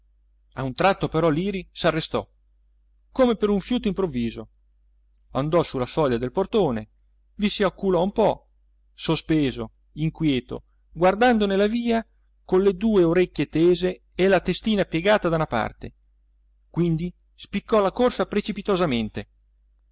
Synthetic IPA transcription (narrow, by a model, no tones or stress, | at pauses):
aunt̪ɾat̪ːopeɾɔliːɾisarːest̪ɔ̰ | koːmepeɾuɱfjuːt̪oimpɾovːiːzo | and̪ɔsulːafɔʎːad̪elport̪oːne | visiakːulɔumpɔ | sospeːzo | iŋkwjɛːt̪o̰ | ɡward̪and̪onelaviːa | konlːed̪uːeoɾekʲːjet̪eːzeː | lat̪est̪iːnapjeɡaːt̪ad̪aunapa̰rt̪ḛ | kwind̪i | spikːɔlakorsapɾet͡ʃipit̪ozament̪e